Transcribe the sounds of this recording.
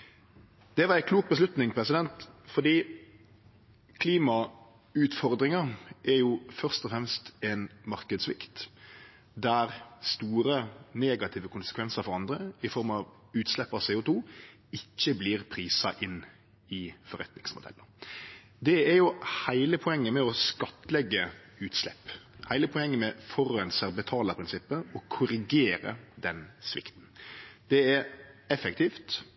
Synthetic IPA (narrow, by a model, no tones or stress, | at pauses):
d̪̥ɛʋɑɾæɪkʰluːk̚bəslʉt̪nɪŋpʰɾɛsɪd̪ɛnt̪fɔd̪iː | kʰliːmɑ | ʉːt̪fɔɾd̪ɾɪŋɑʔɛɾjʊfœʁst̪ɔfɾɛmst̪ɛnmɑɾkəd̪sʋɪ̰kt̪ | d̪æɾst̪uːɾəneːɡɑt̪ʰɪːʋəkʰʊnsəkʋɛnsəɾfɔɾɑnd̪ɾəɪfɔɾmɑʋ | ʉːt̪slɛpːɑseːʊt̪uː | ɪçːəbliːɾpʰɾiːsɑʔɪnː | ɪfɔɾɛt̪nɪŋsmʊd̪ɛ̰lːə | d̪ɛæɾjʊhæɪləpʰɔɛŋːəmɛɔskɑt̪ːəlɛɡːə | ʉːt̪slɛ̰pːhæɪləpʰɔɛŋːəmɛfɔɾɛnsæɾbət̪ʰɑːləpʰɾɪnsɪpːəɔkʰʊɾɪɡeːɾə̰d̪ɛnsʋɪ̰kt̪n̩d̪̥ɛɛɾɛfɛkt̪ʰiːft̪